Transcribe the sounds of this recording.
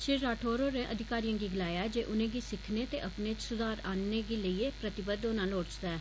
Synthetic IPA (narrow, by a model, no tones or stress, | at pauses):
ʃɪɾaːʈʰoːɾoːɾẽʔəd̪ʱɪkaːɾijãːɡiːɡɪlaːjaːɛd͡ʒeːʔʊnẽːɡiːsɪkʰneːt̪eːʔəpneːt͡ʃsʊd̪aːɾaːneːɡiːləiːeːpɾət̪ɪbəd̪ʊnãːnoːɽt͡ʃd̪aɛː